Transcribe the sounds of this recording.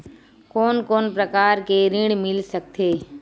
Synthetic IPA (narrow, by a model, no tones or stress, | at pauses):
koːnkoːnpɾəkaːɾkeɾɪ̃ɽ̃mɪlsək̚t̪ʰeː